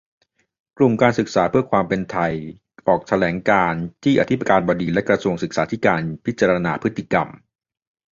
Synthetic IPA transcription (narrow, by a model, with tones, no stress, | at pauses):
klu˨˩mkaː˧nsɯ˨˩k̚saː˩˦pʰɯ˥˩ɐəkʰwaː˧mpe˧nt̪ʰa˧j | ʔɔː˨˩k̚t̪ʰa˧lɛː˩˦ŋkaː˧nt̪ʰiː˥˩ʔa̰˨˧t̪ʰi˦˥pːa˧kaː˧nbɔː˧diː˧lɛ˦˥kɾa˧su˧əŋsɯ˨˩k̚saː˩˦t̪ʰiː˥˩kaː˧npʰi˦˥t̪̚t͡ɕaː˧ɾaa˧naː˧pʰɯ˦˥t̪ʰːi˧˩ka̰˧m